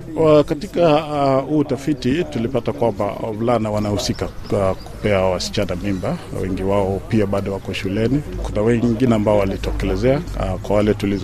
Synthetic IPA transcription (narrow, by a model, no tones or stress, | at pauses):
katikahutafititulipatakwamba̰vlanawanahusikaku̥pɛawasi̥t͡ʃanamimbawɛ̰ŋɡiwaɔpiaɓaɗɔwakɔʃulɛniku̥ntawɛŋɡinɛambaɔwalitɛkɛlɛzɛakwawalɛtuliz